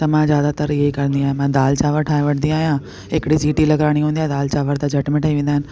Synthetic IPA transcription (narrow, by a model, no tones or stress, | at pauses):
t̪ɐmãːzjaːd̪at̪əɾjeikɐɾ̃nd̪iaːɦẽmãːd̪aːlt͡ʃaːʋəɾʈʰaːeʋɐʈnd̪iaːɦijãː | ekɽid͡ʑiːʈilɐɡɾaːɽ̃iɦũːnd̪iaːɦd̪aːlt͡ʃaːʋəɾd̪aːd͡ʒʱɐʈmɪ̃ʈaːiʋẽːn̆d̪aɦɪnɪ̆